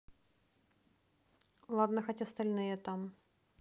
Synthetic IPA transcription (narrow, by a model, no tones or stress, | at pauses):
lˠad̪nəxotʲɐst̪ɐlʲnɨjət̪am